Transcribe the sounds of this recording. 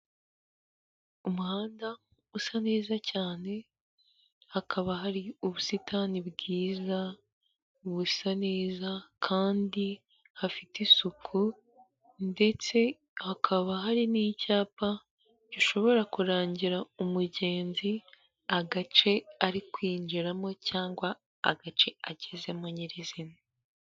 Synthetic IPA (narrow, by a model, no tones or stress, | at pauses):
umuhaːnda | usaneːzacaːne̞ | hakʰaβaɦaɾiuβusitʰanibɡiːza | uβusaneːzakʰaːndi | hafitisukʰu | nde̞t͡se̞ | hakʰaβaɦaɾiniːcaːpa | ɟ̥iʃo̞βo̞ɾakuɾaːɲɟiɾaumuɟe̞ːnzi | aɡat͡ʃe̞aɾikwiːnd͡ʒiɾamo̞caːŋɡwa̰ː | ɡat͡ʃe̞aɟeze̞moɲiɾizine